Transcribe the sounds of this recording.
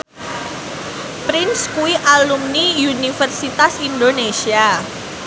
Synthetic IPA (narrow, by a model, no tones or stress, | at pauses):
pɾɪnskuwiʔalumniunifərsit̪asindonesia